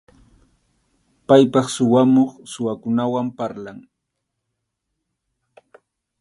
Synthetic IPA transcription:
pajpɑχsʊwamoχsʊwakʊnawampaɾlaŋ

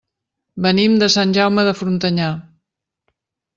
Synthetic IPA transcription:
bənimd̪əsanʲʒawməðəfɾunt̪əɲa

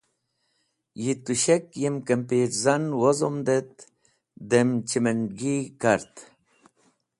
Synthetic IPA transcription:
jit̪uɕekjemkɐmpeːɾzɐnwozomd̪et̪̚ | d̪emt͡ɕimeɳɡikɐɾt̪

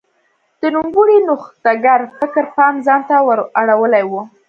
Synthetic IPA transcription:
d̪̥ənumbuɽinʊxt̪aɡaɾfɪkəɾpɑnzɑnt̪awəɾaɽawəlajwu

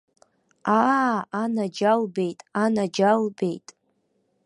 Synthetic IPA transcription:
aanad͡ʒalbe̞jtʼanad͡ʒalbe̞jtʼ

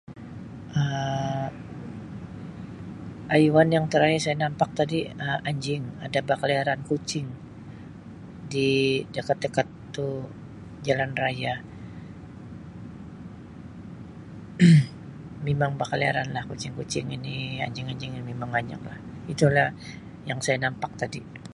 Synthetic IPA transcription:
ʔə | ʔajwanjaŋt̪əɾajasajanampak̚t̪adiəaɲd͡ʒɪŋa̰dabakəliaɾankut͡ʃɪŋ | didakat̪̚ːəkat̪ː | u | d͡ʒalanraja | memaŋbakəliaɾanlahkut͡ʃɪŋkut͡ʃɪŋinia̰ɲd͡ʒɪŋaɲd͡ʒɪŋinimemaŋaɲd͡ʒa̰ŋlahit̪ulah | jaŋsajanampak̚t̪adi

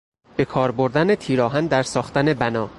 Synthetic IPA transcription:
b̥e̞kʰɒːɾboɾd̪ænet̪ʰiːɾɒːɦænd̪æɾsɒːχt̪æne̞bænɒː

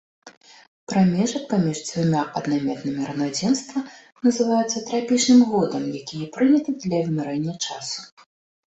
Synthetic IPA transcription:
pɾamʲɛʐɐpamʲiʐd͡z̪ʲvumʲaʔɐd̪namʲɛt̪nɨmʲiɾɐnad͡zʲɛnst̪vɐ | nɐzɨvajut̪sːɐt̪ɾapʲit͡ʂnɨmɣɔd̪ɐmjakʲijɐpɾɨnʲɐt̪ɨd̪lʲɐvmʲɛɾɛnʲːɐt͡ʂasu̥

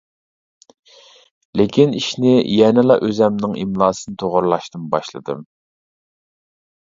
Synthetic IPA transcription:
lɪkʲʰiniʃnɪjɛnɪlˠɑ̰ʔøzɛmnɪŋimlˠɑːsɨnɨt̪ʰoʁʊɾlˠɑʃt̪ɨmbɑ̰ʃlˠɨ̰d̪ɨ̰m

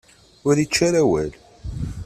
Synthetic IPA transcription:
ʊɾit͡ʃːaɾæwæl

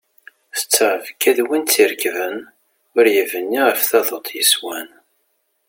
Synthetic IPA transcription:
θə̥t͡sːʁəvkːæðwint͡sːiɾkvən | ʊɾjəvənːiʁəfθɑðˤot̪ˤjəswæn

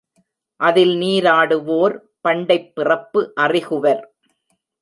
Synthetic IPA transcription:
ʔɐðɪlniːɾaːɽɯʋoːɾ | pɐɳɖɐɪpːɪrɐpːɯʔɐrɪɣɯʋɐɾ

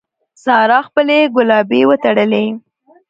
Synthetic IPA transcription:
sɑɾɑxpəleɡʊlɑbewət̪aɽəle

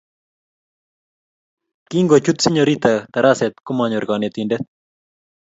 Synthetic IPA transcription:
kiŋɡot͡ʃut̪siɲɔɾit̪at̪aɾasɛt̪kʊmaɲɔɾɡanɛt̪indɛt̪

